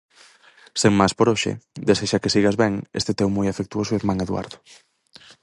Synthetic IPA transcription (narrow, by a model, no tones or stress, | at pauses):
seŋmaspoɾoʃɪ̰d̪eseʃakesiɣazβɛŋḛst̪et̪ewmojafek̚t̪uosʊeɾmãŋeðwa̰ɾðʊ